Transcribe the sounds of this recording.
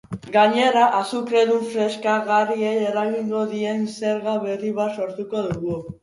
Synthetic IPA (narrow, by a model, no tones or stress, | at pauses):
ɡaɲe̞ɾaʔasukɾe̞ðuɱfɾe̞skaɣarieje̞ɾaɣiŋɡo̞ðie̞nse̞ɾɣaβe̞riβaso̞ɾt̪uko̞ðuɣu